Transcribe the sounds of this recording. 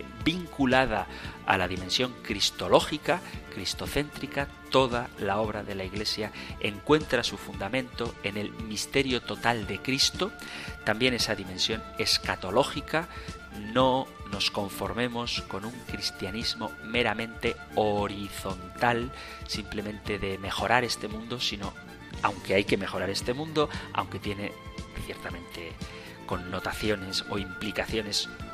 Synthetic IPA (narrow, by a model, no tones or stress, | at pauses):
biŋkulað̞a̰a̰laðimẽ̞nsjo̞ŋkɾist̪o̞lo̞xikakɾist̪o̞θe̞nt̪ɾikat̪o̞ð̞alao̞β̞ɾaðe̞laiɣle̞sjae̞ŋkwe̞nt̪ɾasufund̪amẽnt̪o̞e̞ne̞lmist̪e̞ɾjo̞t̪o̞t̪ald̪e̞kɾist̪o̞t̪ambje̞ne̞saðimẽ̞nsjo̞ne̞skat̪o̞lo̞xika | no̞no̞sko̞ɱfo̞ɾmẽ̞mo̞sko̞nuŋkɾist̪janizmome̞ɾamẽ̞nt̪e | oɾiθo̞nt̪al | simple̞mẽ̞nt̪eðeme̞xo̞ɾaɾe̞st̪e̞mũnd̪osino | a̰wŋkeajke̞me̞xo̞ɾaɾe̞st̪e̞mũnd̪oa̰wŋke̞t̪je̞ne̞θjeɾt̪amẽ̞nt̪e | ko̞nːo̞t̪aθjo̞ne̞so̞̰implikaθjo̞ne̞s